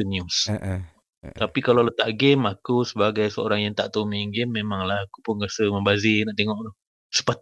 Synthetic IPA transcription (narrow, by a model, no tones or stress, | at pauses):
ənjus | apikalalət̪aʔɡemakusəbaɡajsəo̰ɾaŋjaŋt̪aʔt̪omiŋɡemːemãŋlahaku̥pʊnrasəmə̃mbazinaʔt̪eŋɔʔt̪ɔ | sə̥pat̪